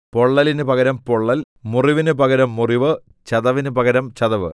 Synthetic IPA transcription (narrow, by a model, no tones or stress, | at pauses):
po̞ɭːɐlinɨpɐɡɐɾɐmpoɭːɐl | muriʋinɨpɐɡɐɾɐmːuriʋɨ | t͡ɕɐðɐʋinɨpɐɡɐɾɐmt͡ɕɐðɐʋɨ